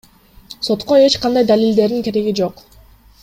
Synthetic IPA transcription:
so̞t̪qo̞e̞t͡ʃqɑnd̪ɑjd̪alild̪e̞ɾd̪iŋke̞ɾe̞ɡid͡ʒo̞q

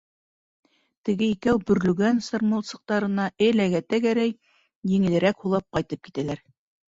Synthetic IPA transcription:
t̪ɘ̆ɡɘikæwbɵ̆ɾlɵ̆ɡænsɤ̆ɾmolˠsɤ̆q̚t̪ɑɾɤ̆nɑʔɘlæɡæt̪æɡæɾæj | jɘ̆ŋɘ̆lɘ̆ɾækhulˠɑp̚qɑjt̪ɤp̚ki̥t̪ælæɾ

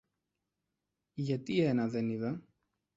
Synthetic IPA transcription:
ʝɐt̪ienɐðe̞niðɐ

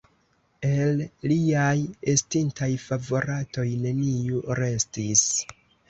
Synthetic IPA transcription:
e̞lliajestintajfavo̞ɾato̞jne̞niuɾe̞stis

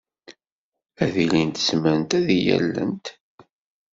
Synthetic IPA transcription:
æðilint̪ə̥smənt̪æðijæ̰lːə̰nt̪

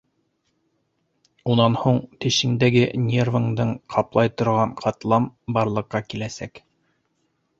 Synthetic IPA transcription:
unɑnhuɴt̪ɘ̆ʃɘ̆ŋd̪æɡɘnʲervɤŋd̪ɤɴqʰɑplˠɑjt̪ŏɾʁɑɴqʰɑt̪lˠɑmbɑɾlˠɤ̆qːɑkilæsæk

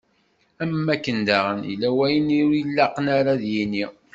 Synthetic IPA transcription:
æmːækːənd̪æʁənḭlːæwæjəniujəlːɑqənaɾaðjini

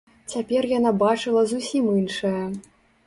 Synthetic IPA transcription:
t͡sʲapʲɛrjanabat͡ʂɨlˠɐzusʲimɨnʂɐjɐ

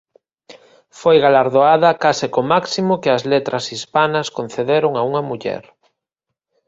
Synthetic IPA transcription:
fojɣalaɾðoað̞ɐkasɪkomaksimokɪɐzlet̪ɾɐsispanɐskonθeðeɾoŋauŋɐmuʎɛ̰ɾ

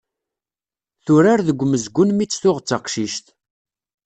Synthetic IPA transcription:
θʊɾaɾðəɡʷːməzɡʷːʊnmit͡sːθʊʁət͡sːɑqʃiʃt̪

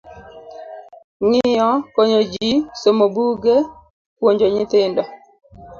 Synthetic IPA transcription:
ŋɪjɔkoɲod͡ʒisomobuɡe | kwoɲd͡ʒoɲɪt̪ɪndɔ

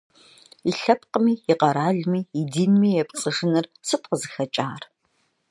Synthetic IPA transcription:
iɬɐp̚ʰqəmiːjɪqɐɾaːɮmiːdiːnmiːjɛpt͡sʼɨʂɨnɨrsɨt̚qəzɨxɐt͡ʃʼaːr

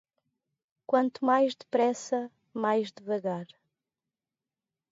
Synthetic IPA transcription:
kwɐ̃nt̪umajʒd̪ɨpɾɛsɐ | majʒd̪ɨvɐɣaɾ

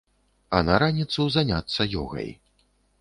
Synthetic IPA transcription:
ɐnɐɾanʲit̪suzanʲat̪sːɐjɔ̰ɣɐ̰j

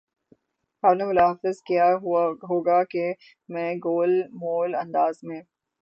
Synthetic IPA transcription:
xaːbnemʊlaːɦfɪzkijaɦoːɡake | mɛ̃ɡoːlmoːlɐ̃nd̪aːzmẽː

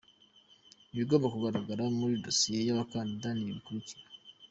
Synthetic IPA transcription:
iβiɡo̞mbakuɡaɾaɡaɾamuɾidosije̞jaβakaːndidaniiβikuɾiciɾa

